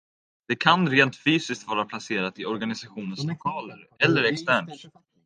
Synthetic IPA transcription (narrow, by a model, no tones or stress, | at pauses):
d̪̥ɛkʰanɾeːnt̪fyːsɪskt̪vɑːɾapʰlaseːɾat̪ɪɔɾɡanɪsaɧuːnənslɔkʰɑːləɾɛlːəɾɛkst̪æːɳʈ